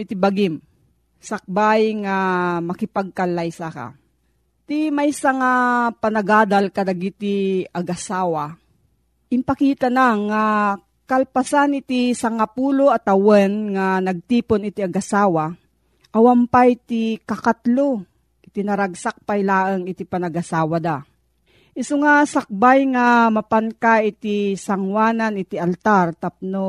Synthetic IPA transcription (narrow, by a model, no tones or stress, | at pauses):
ɪt̪ɪbaɡɪm | sak̚bajŋamɐkɪpaɡ̚kalajsaka̰ | t̪imajsaŋapanɐɡaːd̪alkɐd̪aɡit̪iaɡasaːwa | ʔɪmpɐkiːt̪anaŋa | kalpasanɪt̪isaŋapuːloat̪awɛnŋanɐɡ̚t̪iːponɪt̪iaɡasaːwa | ʔawampajt̪ikakat̪lo | ʔɪt̪inɐɾaɡ̚sak̚pajlaːʔəŋɪt̪ipanɐɡasaːwad̪a | ʔɪsoŋasak̚bajŋamɐpankaɪt̪isaŋwaːnanɪt̪ialt̪aɾt̪ap̚no